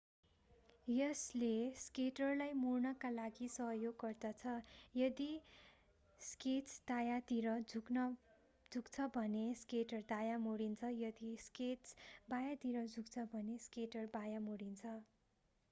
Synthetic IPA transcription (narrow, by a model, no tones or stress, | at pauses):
jʌsleskeʈʌrlajmurnʌkalaɡisʌɦjoɡːʌrd̪ʌt͡sʰʌjʌd̪i | sket͡sd̪̥ajat̪iɾʌd͡zʱuknʌ | d͡zʱukt͡sʰʌbʱʌneskeʈʌrd̪ajamoɽint͡sʰʌjʌd̪isket͡sbajat̪iɾʌd͡zʱukt͡sʰʌbʱʌneskeʈʌrbajamoɽint͡sʰʌ